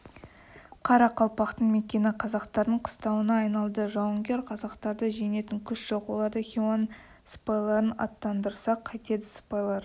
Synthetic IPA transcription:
qʰɑɾɑqʰɑlˠpɑqt̪əɴme̞kʲe̞nɪqʰɑzɑqt̪ɑɾd̪əɴqʰə̥st̪ɑwənɑːjnɑlˠd̪əʒɑwəŋɡʲe̞ɾqʰɑzɑqt̪ɑɾd̪əʒene̞t̪ɪŋkʲʰʏsʒ̥o̞qwo̞̰lˠɑɾd̪əχʲiwan | sə̥pɑjlˠɑɾənɑ̰t̪ːɑnd̪əɾsɑqʰːɑjt̪e̞d̪ɪsə̥pɑjlˠɑɾ

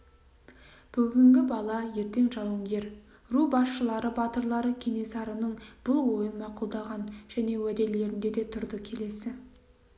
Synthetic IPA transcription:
b̥ʏɡʲɪŋɡʲɪbɑlˠɑje̞ɾt̪e̞ŋʒɑwəŋɡʲe̞ɾ | rubɑsʃəlˠɑɾəbɑt̪əɾlˠɑɾəkʲʰe̞ne̞sɑɾənəɴb̥ɪlˠwo̞jənmɑqʊlˠd̪ɑʁɑnʒ̥æne̞wæd̪e̞le̞ɾɪnd̪e̞d̪e̞t̪ʰʊɾd̪əkʲʰe̞le̞sɪ

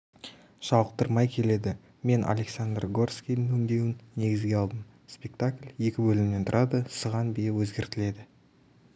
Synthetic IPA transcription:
ʃɑwəq̚t̪əɾmɑjkʲʰe̞le̞d̪ɪ | me̞nʔa̰lʲe̞ksand̪rɡo̞rskʲij̪ɪnwɵnd̪e̞wɪnːe̞ɡʲɪzɡʲe̞ɑlˠd̪əm | spʲe̞k̚t̪aklʲje̞kʲɪbɵlɪmne̞nt̪ʰʊɾʔɑd̪əsəʁɑnbe̞wɵzɡʲe̞ɾt̪ɪle̞d̪ɪ

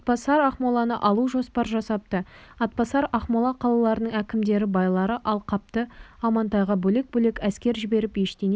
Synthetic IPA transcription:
ɑt̪̚pɑsɑɾɑχmolˠɑnə̰ʔɑlˠuʒo̞spɑɾʒɑsɑpt̪ə | ɑt̪̚pɑsɑɾɑχmolˠɑqʰɑlˠɑlˠɑɾənəɴækʲɪmd̪e̞ɾɪbɑjlˠɑɾəʔɑlˠqʰɑp̚t̪əɑmɑnt̪ɑjʁɑbɵlek̚bɵle̞kæskʲe̞ɾʒɪbe̞ɾɪpje̞ʃt̪en

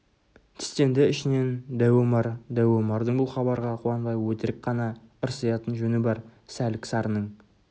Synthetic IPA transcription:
t̪ʰɪ̥st̪e̞nd̪ɪɪʃɪne̞nd̪æwemɑɾd̪æwemɑɾd̪əɴbʊlˠχɑbɑɾʁɑqʰuɑnbɑjwɵt̪ɪɾɪk̚qʰɑnɑəɾsɑjɑt̪ənʒɵnɪbɑɾsælɪksɑɾənəɴ

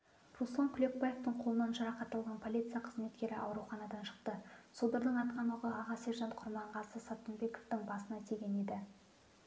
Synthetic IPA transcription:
ruslˠɑŋkʲʰʏlʲe̞k̚paje̞ft̪əɴqʰo̞lˠənɑnʒɑɾɑqɑt̪ːɑlˠʁɑnpʰo̞lʲit̪sɨijɑqʰəzme̞t̪kʲe̞ɾɪʔɑ̰wɾuwχɑnɑd̪ɑnʃə̥qt̪əsod̪əɾd̪əɴɑt̪̚qʰɑnuʁəʔɑʁɑse̞ɾʒɑnt̪qʰʊɾmɑɴʁɑsəsɑt̪ənbe̞ko̞ft̪ɪŋbɑsənɑst̪ʰeɡʲe̞ne̞d̪ɪ

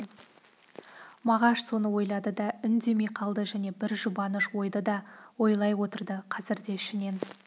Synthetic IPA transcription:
mɑʁɑʃso̞nəwo̞jlˠɑd̪əd̪ɑʏnd̪e̞mejqʰɑlˠd̪əʒæne̞bɪɾʒʊbɑnəʃwo̞jd̪əd̪ɑwo̞jlˠɑjwo̞t̪əɾd̪əqʰɑzɪɾd̪e̞ɪʃɪne̞n

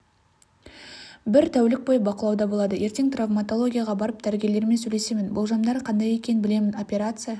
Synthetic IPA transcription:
bɪɾt̪ʰæwlɪk̚bo̞jəbɑqəlˠɑwd̪ɑbolˠɑd̪əjʔe̞ɾt̪e̞ŋt̪ravmat̪o̞lˠo̞ɡʲijaʁɑbɑɾəp̚d̪̥æɾɡʲe̞le̞ɾme̞nsɵjle̞se̞mɪnbʊlˠʒɑmd̪ɑɾqʰɑnd̪ɑjekʲe̞nbɪle̞mɪno̞pʲe̞ɾat̪sɨja

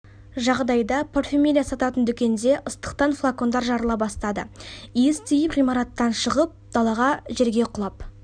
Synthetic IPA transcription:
ʒɑʁd̪ɑjd̪ɑpʰorfʲemʲilʲijasɑt̪ɑt̪ənd̪ʏkʲe̞nd̪e̞ʔəst̪ə̥q̚t̪ɑnflˠako̞nd̪ɑɾʒɑɾəlˠɑpbɑst̪ɑd̪ə̰est̪ʰijəpʁijmɑɾɑt̪ːɑnʃəʁəp̚d̪̥ɑlˠɑʁɑʒe̞ɾɡʲe̞qʰʊlˠɑp

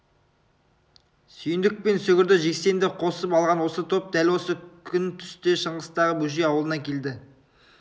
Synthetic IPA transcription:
sʏjnd̪ɪk̚pe̞nsɵɡʲɪɾd̪ɪʒe̞kse̞nd̪ɪqʰo̞səpɑlˠʁɑnwo̞sət̪ʰo̞p̚d̪ælwo̞səkʲʰʏnt̪ʰʏ̥st̪e̞ʃəɴʁəst̪ɑʁəbɵʒejɑwəlˠənɑkʲʰe̞ld̪ɪ

